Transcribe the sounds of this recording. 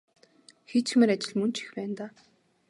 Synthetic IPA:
xet͡ɕx̆mĕɾat͡ɕɪ̆ɮmɵnt͡ɕi̥xpæːnt̪aː

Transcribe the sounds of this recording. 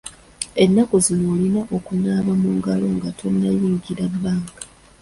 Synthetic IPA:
enːakuzino̞ːlinaʔokunaːβamuːŋɡalo̞ŋɡatʰo̞nːajiːɲɟiɾabaːŋɡa

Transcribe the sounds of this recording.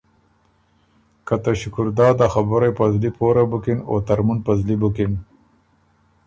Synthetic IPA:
kat̪aʃʊkʊɾd̪ɑːd̪axabʊɾajpazlipoːɾabukino̰t̪aɾmunpazlibukin

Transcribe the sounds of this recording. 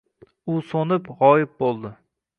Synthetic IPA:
ʊsonɪpʁɒjɪp̚bolˠd̪ɪ

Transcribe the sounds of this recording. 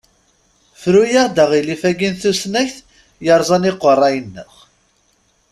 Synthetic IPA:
fɾujəɾd̪æʁilifæɡinθusnæçθ | jəɾˤzˤɑniqːərˤːɑjənːə̰χ

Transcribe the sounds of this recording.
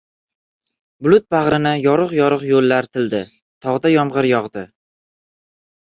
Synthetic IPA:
blˠʊt̪̚baʁɾɪnɪjɒɾɨqjɒɾɨqjolːaɾt̪ʰɪld̪ɪ | t̪ʰɒʁd̪ajɒmʁɨɾjɒʁd̪ɪ

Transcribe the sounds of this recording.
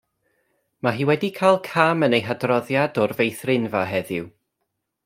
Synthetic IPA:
maɦiːwɛdikʰajlˠkʰamənejɦadrɔðjadɔrvejθrɪnvaɦɛðɪw

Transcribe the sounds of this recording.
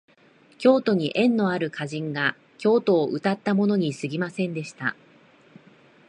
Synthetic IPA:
kʲo̞ːt̪o̞ɲ̟iʔẽ̞nːo̞aɾɯ̟kʰaʑĩŋɡa | kʲo̞ːt̪o̞ːʔɯ̟t̪at̪ːamo̞no̞ɲ̟isɨɡʲimasẽ̞nd̪e̞ɕi̥t̪a̰

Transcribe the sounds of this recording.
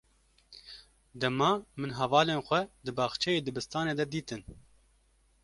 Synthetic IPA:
d̪ɛmɑːmɨnɦɛvɑːleːnxʷɛd̪ɨbɑːxt͡ʃʰɛjeːd̪ɨbɨst̪ɑːneːd̪ɛd̪iːt̪ɨn

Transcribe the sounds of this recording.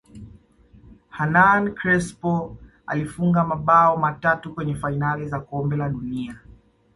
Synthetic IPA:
hanankɾɛspɔ | a̰lifuŋɡamaɓaɔmatatukwɛɲɛfainalizakɔmbɛlaɗunia

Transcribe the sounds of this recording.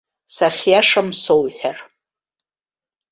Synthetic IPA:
saχʲjaʂamsowħʷᶣar

